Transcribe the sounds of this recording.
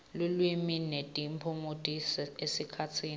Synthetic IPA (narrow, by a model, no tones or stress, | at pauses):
lulwiminetʼimpʰumutʼisesikʰatʰiːn